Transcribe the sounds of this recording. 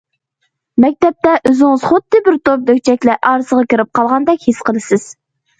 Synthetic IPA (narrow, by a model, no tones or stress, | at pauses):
mɛk̚ʲt̪ɛp̚t̪ɛʔøzɪŋɨz̥χod̪ːɨbɪɾt̪op̚d̪økʲt͡ʃʰɛkʲlɛʔɑɾɨsəʁɑkʲiɾɪp̚qʰɑlˠʁɑnd̪ɛkʲhisqʰəlˠɨsɪz̥